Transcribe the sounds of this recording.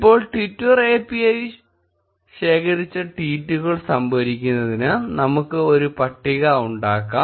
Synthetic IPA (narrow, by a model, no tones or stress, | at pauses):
pːo̞ːɭʈitːure̞ːpːiɐj | ɕe̞ːkʰɐɾit͡ɕːɐʈiːtːuɣɐɭsɐmbɐɾikʲːunːɐðinɨnɐmukːɨo̞ɾupɐʈːiɣɐuɳɖaːkːaː